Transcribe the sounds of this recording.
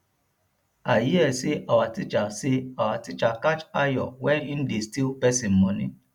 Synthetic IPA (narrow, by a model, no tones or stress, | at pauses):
ajiɛsiʔawatit͡ʃasiawatit͡ʃakat͡ʃajɔ̰wɛĩn̩distipɛsĩm̩mɔ̃nĩ